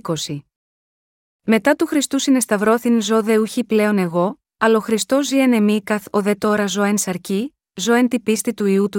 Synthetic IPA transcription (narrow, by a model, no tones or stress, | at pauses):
ko̞si | me̞t̪ɐt̪uxɾist̪usine̞st̪ɐvɾo̞θinzo̞ðe̞uçiple̞one̞ɣo̞ | ɐlɐoxɾist̪o̞ziene̞mikɐθo̞ðe̞t̪o̞ɾɐzo̞ensɐɾci | zo̞ent̪ipist̪it̪uiut̪u